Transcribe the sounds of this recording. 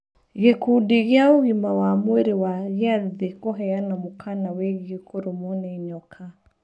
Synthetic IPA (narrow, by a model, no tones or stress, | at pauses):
ɣɛkudiɣauɣimawamwɛɾiwaɣjaðikɔɦɛjanamukʰanawɛɣikɔɾumɔnɛiɲɔkʰa